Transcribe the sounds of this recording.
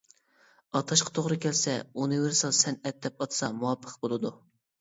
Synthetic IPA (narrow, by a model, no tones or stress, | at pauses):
ɑt̪ʰɑʃqʰɑ̥t̪ʰoʁɾɨkʲʰɛlsɛunɨveɾsɑlˠsɛnɛt̪̚d̪ɛpɑt̪sɑmuwɑpʰːəqbolˠɨd̪u